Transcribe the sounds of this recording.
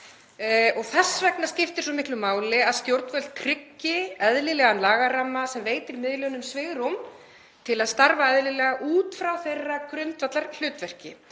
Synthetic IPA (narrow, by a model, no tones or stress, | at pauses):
ɔɣθɛsːvɛknascɪft̪ɪɾ̥sɔmɪhklʏmaːwlɪaðst̪jowɾt̪nvœl̥t̪̚kʰɾɪcːɪɛðlɪlɛːɣanlaːɣaraːmːasɛmveːjt̪ɪɾmɪðlœnʏmsvɪɣɾum | t̪ʰɪlaðst̪aɾvaɛðlɪlɛɣaʔuːt̪fɾawθejrːakɾʏnt̪vat̪laɾl̥ʏːt̪vɛr̥cɪ